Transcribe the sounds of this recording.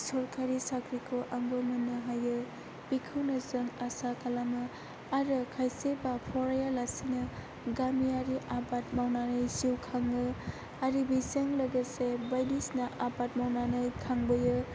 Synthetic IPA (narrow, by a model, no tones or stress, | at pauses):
sɔɾkʰaɾisakʰɾikʰoʔaŋbɯmɯnːɯɦajɯ | pikʰɯwnɯzɯŋasakalamɯ | aɾɯkʰajsebapʰɔɾajalasinɯ | ɡamiaɾiʔabat̚mawnanɯjsiwkʰaŋɯ | aɾibiseŋləɡəsebajdisnaʔabat̚mawnanɯjkʰaŋbɯjɯ